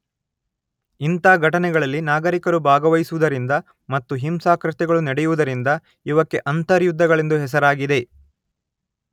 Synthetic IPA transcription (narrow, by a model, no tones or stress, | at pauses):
int̪aːɡʱɐʈɐnɛɡɐɭɐlːinaːɡɐɾikɐɾubʱaːɡɐʋɐjsuʋud̪ɐɾind̪ɐ | mɐt̪ːuɦimsaːkɾɐt̪ɛɡɐɭunɐɽɛjuʋud̪ɐɾind̪ɐ | iʋɐkːe̞ʔɐnt̪ɐɾjud̪ʱːɐɡɐɭend̪uɦɛs̬ɐɾaːɡid̪e̞